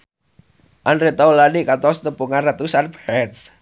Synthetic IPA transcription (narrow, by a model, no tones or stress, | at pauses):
ʔanɾet̪ɔlanikat̪ɔsnəmpuŋanrat̪usanbɛɛns